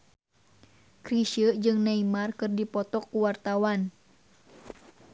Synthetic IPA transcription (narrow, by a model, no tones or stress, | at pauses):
kɾiʃəd͡ʒɨŋnɛimarkɨrdipɔt̪ɔkːuwart̪awan